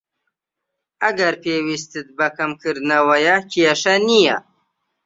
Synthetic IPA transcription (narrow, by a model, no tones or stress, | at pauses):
aɡaɾpewist̪ət̪̚bakamkɨɾnawajakijaʂanija̰